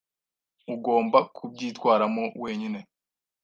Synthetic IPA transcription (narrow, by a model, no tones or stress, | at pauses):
uɡo̞ːmbakʰub̚ɟiːtwaːɾamo̞we̞ːɲine̞